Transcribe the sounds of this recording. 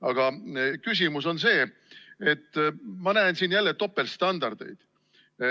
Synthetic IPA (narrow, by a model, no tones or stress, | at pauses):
ɑɡ̥ɑkys̬ʲimuso̞nse̞ː | et̪ːmɑnæensiːnjælːet̪o̞pːe̞lst̪ɑnd̪̥ɑrd̪̥e̞̰jd̪̥